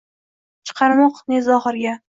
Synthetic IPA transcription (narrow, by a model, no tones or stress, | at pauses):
t͡ʃʰɨ̥qʰɑɾmɒqnezɒχɨɾɡʲa